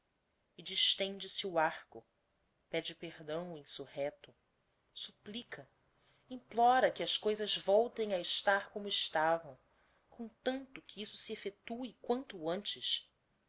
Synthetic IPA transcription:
id͡ʒiʃt̪ẽnd͡ʒɪsɪuahkʊ | pɛd͡ʒɪpehd̪ɐ̃w̃uĩsuhɛt̪ʊ | suplikʰɐ | ĩplɔɾɐkɪɐskojzɐzvɔwt̪ẽj̃ɐɪʃt̪aɾkõmʊɪʃt̪avɐ̃w̃ | kʰõt̪ɐ̃nt̪ʊkʰɪisʊ̥siefet̪uɪkwɐ̃nt̪ʊɐ̃nt͡ʃɪs

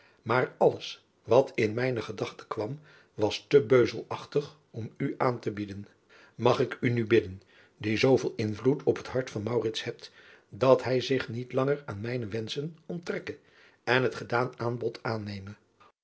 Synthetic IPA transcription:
maːɹɑləs | ʋɑtʰɪnmɛjnəχədɑχtə̥kʋɑm | ʋɑstəbøɥzəlˠɑχtəχ | ɔmyʔaːntəbidən | mɑχɪkynybɪdən | dizowvɪlˠɪnvlutʰɔpɦətɦɑɹtfɑnmɑwrɪtshɛp̚t | dɑtɦɛjzɪχnitlɑŋəɹaːnmɛjnəʋɛnsənɔntrɛkə | ɛnɦətχədaːnaːnbɔtʰaːnejmə

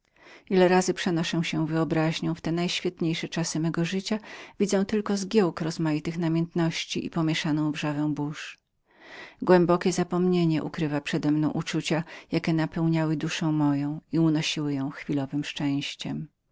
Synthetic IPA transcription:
ilɛɾazɘpʂɛnɔʂɛw̃ɕɛ̃vɘɔbɾaʑɲɔ̃w̃ft̪ɛnajɕfʲjɛt̪ɲejʂɛt͡ʂasɘmɛɡɔʐɘt͡ɕavʲid̪zɛ̃w̃t̪ɘlkɔzɡʲjɛwkɾɔzmajit̪ɘxnamʲjɛnt̪nɔɕt͡ɕḭʔipɔmʲjɛʂanɔ̃w̃vʐavɛ̃w̃buʂ | ɡwɛmbɔkʲɛzapɔmɲeɲɛʔṵkɾɘvapʂɛd̪ɛmnɔ̃w̃ʔut͡ʂut͡ɕajakʲɛnapɛwɲawɘd̪uʂɛ̃w̃mɔjɔ̃w̃iunɔɕiwɘjɔ̃w̃xfʲilɔvɘmʂt͡ʂɛ̃ɕt͡ɕɛ̰m

